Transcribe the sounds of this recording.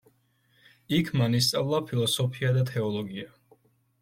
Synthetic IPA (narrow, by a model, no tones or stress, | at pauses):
ikʰmanis̬t̪sʼavlˠapʰilˠɔsɔpʰiad̪at̪ʰɛɔlˠɔɡia